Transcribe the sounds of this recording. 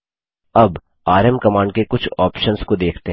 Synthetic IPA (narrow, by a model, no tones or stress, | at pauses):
ɐb | aːɾəmkɐmaːɳɖ̚kekʊt͡ʃʰɔːpʃənskod̪eːkʰt̪eɦ